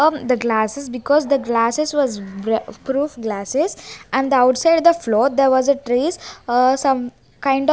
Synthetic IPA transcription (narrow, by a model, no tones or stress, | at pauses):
d̪əɡlaːsɪsbɪkɔːzd̪əɡlaːsɪsʋɔzpɾuːfɡlæsɪzæ̃ɳd̪əaʊʈsaɪɖd̪əfloːd̪eɾʋɔzəʈɾiːssʌ̃m | kãɪ̃ɳɖ